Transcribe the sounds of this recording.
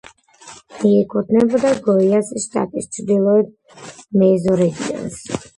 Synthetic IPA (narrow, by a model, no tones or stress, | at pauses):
iɛkʰɔt̪nɛbɔd̪aɡɔijasɛʃt̪a̰t̪ist͡ʃʰd̪ilˠɔɛd̪̚ | mɛzɔɾɛɡ̪ḭa̰ns